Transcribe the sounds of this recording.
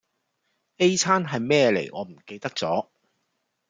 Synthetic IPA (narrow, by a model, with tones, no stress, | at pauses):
e˥jt͡sʰaː˥nɦɐ˨jmɛː˥lḛ˨˩jŋɔː˨˧m̩˨˩ke˧jt̪ɐ˥k̚t͡sɔː˨˥